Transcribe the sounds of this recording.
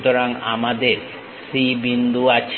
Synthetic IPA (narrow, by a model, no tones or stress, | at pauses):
t̪oɾaŋa̰mad̪eɾ | sɾibind̪uat͡ɕʰ